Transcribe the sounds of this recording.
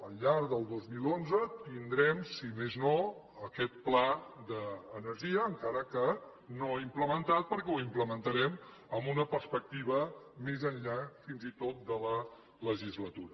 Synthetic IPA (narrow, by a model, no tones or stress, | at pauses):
əlːaɾðəlˠd̪ozmilonzət̪ind̪ɾɛmsimezno | əkɛt̪̚plad̪əːnəɾʒiəːŋkaɾəkə | noimpləmənt̪at̪̚pəɾkɛwimpləmənt̪əɾɛm | əmbunəpəɾspək̚t̪iβ̞əmezənʎafinzit̪ot̪̚d̪ələ | ləʒizlət̪uɾə